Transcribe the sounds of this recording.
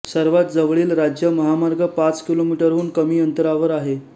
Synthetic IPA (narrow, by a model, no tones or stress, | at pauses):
səɾʋat̪̚d͡zəʋɭiːlɾad͡ʑjəməɦamaɾɡʱəpat͡skilomiʈəɾɦuːnkəmiːənt̪əɾaʋəɾaɦe